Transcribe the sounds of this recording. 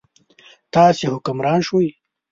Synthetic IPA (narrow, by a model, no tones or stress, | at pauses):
t̪ɑːsehʊkʊmɾɑːnʃwuj